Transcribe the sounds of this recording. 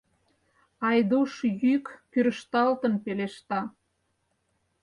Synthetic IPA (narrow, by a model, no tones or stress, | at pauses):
ɑjd̪uʃjykpyɾəʃt̪ɑlt̪ənpeleʃt̪ɑ